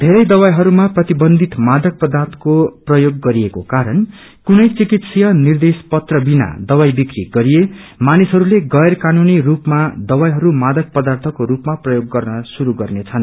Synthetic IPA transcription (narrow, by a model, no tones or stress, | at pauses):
d̪ʱeɾʌjd̪ʌwajɦʌɾumaprʌt̪ibʌnd̪ʱit̪mad̪ʌk̚pʌd̪art̪ʰʌ̥koprʌjoɡːʌɾiekokaɾʌn | kunʌjt͡sikit̪sʌjʌnird̪espʌt̪rʌbina̰d̪ʌwajbikriɡʌɾijemanisɦʌɾuleɡʌjrkanunirupmad̪ʌwajɦʌɾumad̪ʌk̚pʌd̪art̪ʰʌkoɾupmaprʌjoɡːʌrnʌsuɾuɡʌrnet͡sʰʌn